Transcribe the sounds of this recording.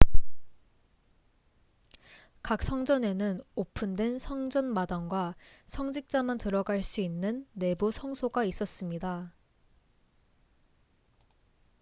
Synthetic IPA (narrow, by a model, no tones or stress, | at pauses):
kak̚s͈ʌŋd͡ʑʌne̞nɯnopʰɯndwe̞nsʰʌŋd͡ʑʌnmadaŋɡwasʰʌŋd͡ʑik̚t͡ɕ͈amantɯɾʌɡaɭs͈uinːɯnːe̞busʰʌŋsʰoɡais͈ʌs͈ɯmɲida